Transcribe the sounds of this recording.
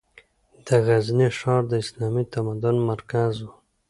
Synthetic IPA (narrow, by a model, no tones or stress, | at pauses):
d̪̥əɣazniʂɑɾd̪əɪslɑmit̪amad̪ʊnmaɾkazwu